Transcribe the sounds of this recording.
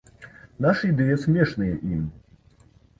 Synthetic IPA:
naʂɐid̪ɛjɐsʲmʲɛʂnɨjɛʔim

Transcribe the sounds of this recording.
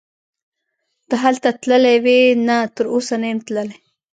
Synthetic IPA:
t̪aɦalt̪at̪ləlewenat̪əɾosanajmt̪ləle

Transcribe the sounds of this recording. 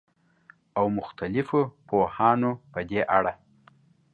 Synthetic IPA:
awmʊxt̪alɪfopohɑnopəd̪eʔaɽa

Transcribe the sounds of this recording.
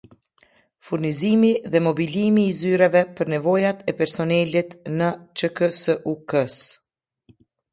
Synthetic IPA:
fuɾnizimiðɛmɔbilimiːzyɾɛvɛpəɾnɛvɔjat̪ɛpɛɾsɔnɛlit̪nət͡ʃəkəsəʔukəs

